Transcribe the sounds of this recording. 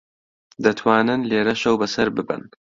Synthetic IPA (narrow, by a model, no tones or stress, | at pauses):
d̪ɐt̪ʰwaːnɨnleːɾɐʃɐwbɐsɐɾbɨbɨ̰n